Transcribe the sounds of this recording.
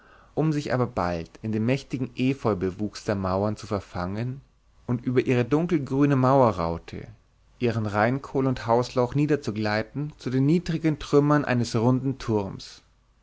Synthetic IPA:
ʔʊmzɪçʔa̰ːbɐba̰ltɪndeːnmɛçtɪɡŋ̩ʔeːfɔʏlbəvuːksd̥eːɐmaʊɐnt͡sufɛɐfaŋən | ʔʊntʔyːbɐʔiːʁ̞ədʊŋkl̩ɡʁyːnəmaʊɐʁa̰ʊtʰə̰ | ʔiːʁənʁaɪnkʰoːlʊnthaʊslaʊxniːdɐt͡suɡlaɪtn̩t͡sudeːnːiːdʁɪɡəntʁ̥ʏmɐnʔa̰ɪnəsʁʊndn̩tʰʊʁms

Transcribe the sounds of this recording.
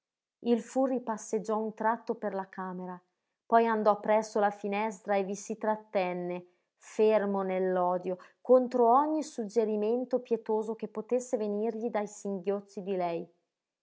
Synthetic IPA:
ilfuripasːed͡ʒːɔunt̪ɾat̪ːoperlakʰaːmeɾa | pɔjand̪ɔpːɾɛsːolafinɛs̬t̪ɾaevisit̪ɾat̪ːɛnːe | fermonelːɔːd̪jokont̪ɾoɔɲːisud͡ʒːeɾiment̪opjet̪oːzokepːot̪esːevenirʎid̪ajsiŋɡjot̪sːid̪ilɛj

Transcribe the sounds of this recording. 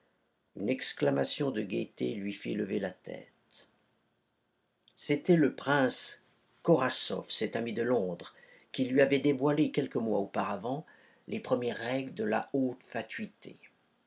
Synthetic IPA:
ynɛksklamasjɔ̃d̪əɡʲet̪elɥifḭləvelat̪ʰɛ̰t̪ | set̪ɛləpχɛ̃s | kɔʁasɔ̰fsɛt̪amid̪əlɔ̃d̪ʁ | kʲilɥiavɛd̪evwalekʲɛlkəmwa̰opaʁavɑ̃ | lʔepχəmjɛʁːɛɡld̪əla̰ot̪fat̪ɥit̪ʰḛ

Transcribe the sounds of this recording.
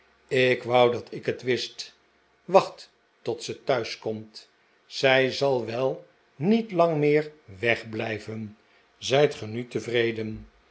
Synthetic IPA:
ɪkʋʌwdɑtʰɪkətʋɪst | ʋɑχtː | ɔtsətœɥskɔmt | z̥ɛjzɑlˠʋɛlˠ | nitlɑŋmɪːɹʋɛχblɛjvən | zɛjtχənytəvrejdən

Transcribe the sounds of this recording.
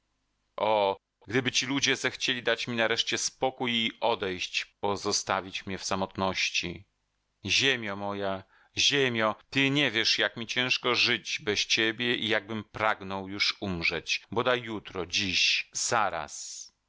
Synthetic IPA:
ʔɔ | ɡd̪ɘbɘt͡ɕilud͡ʑɛzɛxt͡ɕelʲid̪at͡ɕmʲinaɾɛʂt͡ɕɛspɔkujiɔd̪ɛjɕt͡ɕpɔzɔst̪avʲit͡ɕmɲɛfsamɔt̪nɔɕt͡ɕḭ | ʑemʲjamɔja | ʑemʲjɔt̪ɘɲɛvʲjɛʂjakmʲit͡ɕɛ̃ʂkɔʐɘd͡ʑbɛst͡ɕebʲjɛʔijaɡ̚bɘmpɾaɡnɔwjuʂumʐɛt͡ɕbɔd̪ajːut̪ɾɔd͡ʑiɕzaɾa̰s

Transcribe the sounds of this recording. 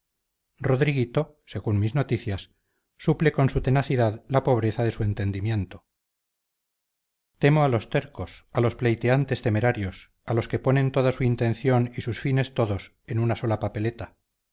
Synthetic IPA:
ro̞ðɾiɣit̪o̞ | se̞ɣunmizno̞t̪iθjasː | upleko̞nsut̪e̞naθiðaðlapo̞βɾe̞θaðe̞sue̞nt̪e̞nd̪imje̞nt̪o | t̪e̞moalost̪e̞ɾko̞salo̞sple̞jt̪eant̪e̞st̪e̞me̞ɾaɾjo̞s | alo̞ske̞po̞nẽ̞nt̪o̞ðasuint̪e̞n̟θjo̞nisusfine̞st̪o̞ðo̞s | enunaso̞lapape̞let̪a

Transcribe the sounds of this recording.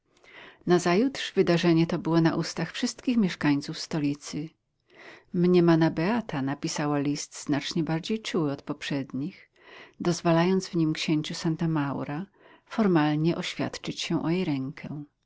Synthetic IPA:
nazajut̪ʂvɘd̪aʐɛɲɛt̪ɔbɘwɔna̰ʔust̪axfʂɘst̪kʲixmʲjɛʂkaɲt̪sufst̪ɔlʲit̪sɘ | mɲɛmanabɛat̪ʰanapʲisawalʲist̪znat͡ʂɲɛbaɾd͡ʑejt͡ʂuwɘɔt̪pɔpʂɛd̪ɲix | d̪ɔzvalajɔnd̪zvɲimkɕeɲt͡ɕusant̪amawɾa | fɔɾmalɲɛʔɔɕfʲja̰t̪t͡ʂɘt͡ɕɕɛ̃ʔɔjejɾɛŋkʰɛ

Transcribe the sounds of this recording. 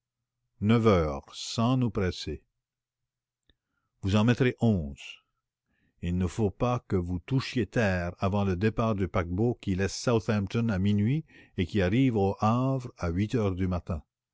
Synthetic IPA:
nœvœːʁsɑ̃nupɾɛse | vuzɑ̃mɛt̪ʁeʔɔ̃ːz̥ | ilnəfopakəvut̪uʃjet̪ɛːʁavɑ̃ləd̪epaːʁd̪ypak̚bokʲilɛsːawθɛ̃mt̪ɔ̃naminɥiekʲiaʁiːvoʔavʁaɥit̪œːʁd̪ymat̪ɛ̃

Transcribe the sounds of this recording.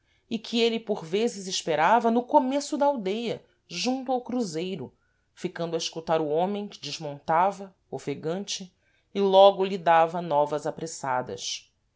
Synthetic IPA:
ikʰielɪpoɾvezɪzɪʃpeɾavɐnʊkomesʊd̪ɐaawd̪ejɐ | ʒũnt̪ʊawkɾuzejɾʊ | fikɐ̃nd̪ʊɐɪʃkut̪aɾʊõmẽj̃kɪd͡ʒɪʒmõnt̪avɐ | ofeɡɐ̃nt͡ʃɪː | lɔɡʊlid̪avɐnɔvɐzapɾesad̪ɐ̰s

